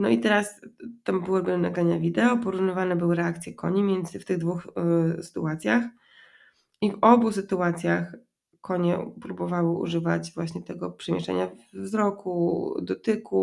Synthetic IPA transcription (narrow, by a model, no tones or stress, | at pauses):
nɔit̪ɛɾast̪ambɘwɛbɘnaɡɾaɲavʲid̪ɛɔpɔɾuvnɔvanɛbɘwɘɾɛak̚t̪sʲjɛkɔ̰ɲimʲjɛnd̪zɘft̪ɘɣd̪vuxsɘ̥t̪ṵat̪sʲjax | ivɔbusɘt̪uat̪sʲjax | kɔɲɛpɾubɔvawɘṵʐɘva̰t͡ɕvwaɕɲɛt̪ɛɡɔpʂɛmʲjɛ̰ʂt͡ʂɛ̰ɲavzɾɔkʰud̪ɔt̪ɘku